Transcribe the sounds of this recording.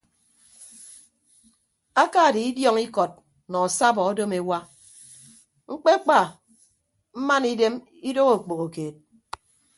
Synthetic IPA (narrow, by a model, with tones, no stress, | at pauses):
a˦ka˦˨di˨i˦djɔ˦ŋi˦kɔ˨t̚ | nɔ˨sa˦bɔ˨ɔ˦do˦me˨wa˦ | ŋ͡m̩˦k͡pe˦k͡pa˦˨ | m̩˦ma˦ni˦de˦m | i˦do˦ɣo˨k͡po˨ɣo˨keː˨t̚